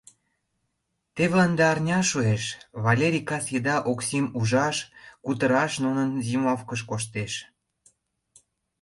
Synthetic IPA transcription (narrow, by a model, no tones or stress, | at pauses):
t̪eβlɑnd̪ɑɑrnʲɑʃueʃβɑlʲeɾʲikɑsjed̪ɑʔoksimuʒɑʃkut̪əɾɑʃnunənzimɑfkəʃ̬koʃ̬t̪eʃ